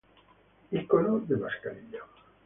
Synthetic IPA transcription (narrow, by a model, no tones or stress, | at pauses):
ikolod̪emaskaɾiʎo